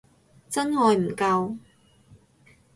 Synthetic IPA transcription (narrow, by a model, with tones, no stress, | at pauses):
t͡sɐ˥nhɔː˧jm̩˨˩kɐ˧w